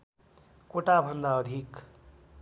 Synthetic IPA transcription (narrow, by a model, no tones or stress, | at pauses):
koʈabʱʌnd̪aʌd̪ʱik